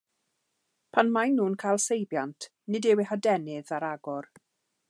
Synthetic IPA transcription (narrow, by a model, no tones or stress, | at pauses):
pʰanmajnːuːnkʰajlˠsejbjantʰ | nɨdɛwɛhadɛnɪðaɾaɡɔr